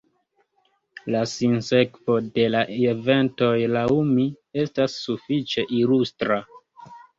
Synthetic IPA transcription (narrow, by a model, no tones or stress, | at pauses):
lasinse̞kvo̞de̞laeve̞nto̞jlaumi | e̞stasːufit͡ʃe̞ʔilustɾa